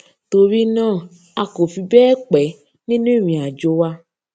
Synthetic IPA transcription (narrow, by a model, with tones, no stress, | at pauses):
to˧ɾi˦nãː˦˨ | a˧ko˨fi˧bɛː˦k͡pɛ˨˦ | nĩ˦nũ˦i˦˨mĩ˨a˨d͡ʒo˧wa˧